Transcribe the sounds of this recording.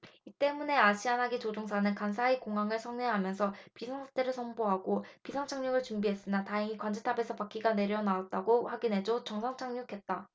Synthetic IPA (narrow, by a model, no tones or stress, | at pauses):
it͈e̞mune̞aɕʰiɦanɦaɡit͡ɕod͡ʑoŋsʰanɯnkansʰaikoŋɦaŋɯɭsʰʌŋɲeɦamjʌnsʰʌpisʰʌŋsʰat͈eɾɯɭsʰʌmboɦaɡopisʰʌŋt͡ɕʰaŋɲoɡɯɭt͡ɕumbiɦe̞s͈ɯnataɦeŋikwand͡ʑetʰabe̞sʰʌpak͈iɡane̞ɾjʌnaat̚t͈aɡoɸwaɡinɦe̞d͡ʑot͡ɕʌŋsʰaŋt͡ɕʰaŋɲokʰe̞t̚t͈a